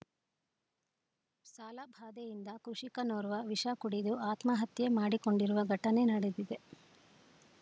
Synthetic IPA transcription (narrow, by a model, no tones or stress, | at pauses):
saːlabʱaːd̪ejind̪ɐkɾuʂikɐnoːɾuʋɐʋiʂakuɽid̪uaːt̪mɐɦɐt̪jemaːɽiko̞ɳɖiɾuʋɐɡʱɐʈɐne̞nɐɽed̪id̪e̞